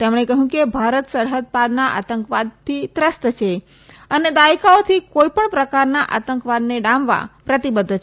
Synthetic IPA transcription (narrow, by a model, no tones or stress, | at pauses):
t̪emɳ̃ekəɦũkebʱaɾət̪səɾɦəd̪̚pad̪naʔa̰t̪əŋkʋad̪̚t̪ʰit̪ɾəst̪t͡ʃʰe | əned̪aikaot̪ʰikoipəɳpɾəkaɾnaʔa̰t̪əŋkʋad̪neɖãmʋa̰pɾət̪ibəd̪ʱː